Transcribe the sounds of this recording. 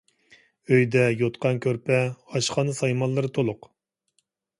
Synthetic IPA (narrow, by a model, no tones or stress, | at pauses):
øjd̪ɛjot̪qɑnkʲʰøɾpʰɛɑʃχɑnɨsɑjmɑnlːˠɨɾɨt̪ʰolˠʊq